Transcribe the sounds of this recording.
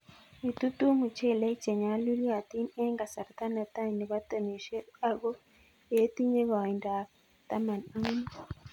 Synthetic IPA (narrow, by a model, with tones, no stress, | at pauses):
i˨tu˦tu˦mu˨ce˦le˦ce˨ɲa˨˦lu˦ɾia˨ti˦ne˦ŋɡa˨sa˨ɾat̪a˦na˨ta˦ɲe˨βa˦ta˨ni˨ʃe˦a˦ɡo˦ | e˦ti˦ɲe˦βa˨i˨nda˨ | ta˦ma˨ni˦ni